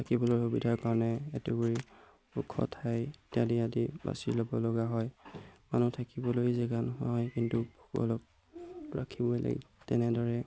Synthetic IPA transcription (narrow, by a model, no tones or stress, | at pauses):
tʰakibɔloɹxubidʱaɹkaɹɔnɛɛtubuɹi | ukʰːɔ̰tʰajtadiadiba̰sḭlobɔlɔɡaɦɔjmanutʰakibɔlojzɛɡanɦɔjkintubʱukɔ̰lɔk̚ | ɹa̰kʰibɔjla̰ɡḭtɛnɛdɔɹɛ